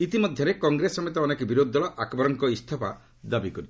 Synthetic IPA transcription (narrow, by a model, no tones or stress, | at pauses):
it̪imɔd̪ʱjɔɾekɔŋɡɾesɔmet̪̬ɔːnekbiɾod̪ʱːɔɭɔʔakbɔɾɔŋkɔist̪ʰɔpa̰ | d̪abikɔɾi